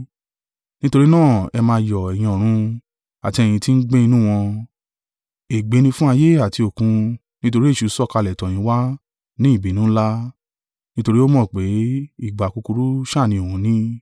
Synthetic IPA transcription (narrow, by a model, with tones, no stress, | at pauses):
nĩ˦to˧ɾi˦nãː˦˨ɛ˧mãː˧˦jɔ˨ɛ˨j̃ĩ˧ɔ˨ɾ̃ũ˧ | a˨ti˧ɛ˧˨j̃ĩ˧ti˦n̩˦ɡ͡bẽ˦i˧nũ˦w̃ɔ̃˧ | e˨ɡ͡be˨˦nĩ˧fũ˦a˧je˦a˦˨ti˧o˨kũ˧ | nĩ˦to˧ɾi˦e˦˨ʃu˨˧˦sɔ˦˨ka˧lɛ˨tɔ̃˨j̃ĩ˨˦wa˦ | nĩ˦i˦˨bi˨nũ˦la˦ | nĩ˦to˧ɾi˦o˦mɔ̃˦˨k͡pe˨˦i˦˨ɡ͡ba˨ku˧ku˧ɾu˦ʃa˦˨nĩ˧o˨wũ˨˦nĩ˦